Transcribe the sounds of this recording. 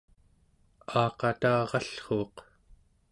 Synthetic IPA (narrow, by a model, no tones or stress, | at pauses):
ɑːqɑt̪aːʁɑɬχoːq